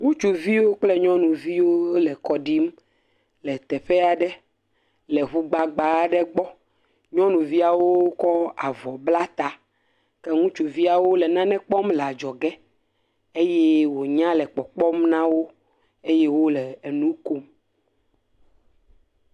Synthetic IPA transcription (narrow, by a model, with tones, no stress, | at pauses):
ŋũ˦t͡ʃu˨vi˦wo˦k͡plɛ˦ɲɔ̃˦nũ˨vi˦wo˦lɛ˨kɔ˨ɖi˦m | lɛ˨t̪ɛ˨ɸe˦a˨ɖɛ˦ | lɛ˨ɦu˦ɡ͡ba˨ɡ͡ba˨˦ɖɛ˦ɡ͡bɔ˦ | ɲɔ̃˦nũ˨vi˦a˨wo˦kɔ˦a̰˨vɔ˨bla˦t̪a˨ | ke˦ŋũ˦t͡ʃu˨vi˦a˨wo˦lɛ˨nã˦nɛ̃˦k͡pɔ˦mlɛ˨a˨d͡ʒɔ˨ɡɛ˦ | e˦jɛ˦wo˨ɲã˦lɛ˨k͡pɔ˨k͡pɔ˦mnã˦wo˦ | e˦je˦wo˦lɛ˨e˨nũ˦ko˦m